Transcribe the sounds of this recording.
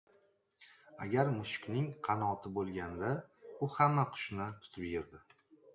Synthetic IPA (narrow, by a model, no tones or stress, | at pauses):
a̰ɡʲaɾmʊʃɪ̥kʲnɪŋqʰɑnɒt̪ʰɪbolˠɡʲand̪aʊhamːaqʰʊ̥ʃnɪt̪ʰʊ̥t̪ʰɪpjɪɾd̪ɪ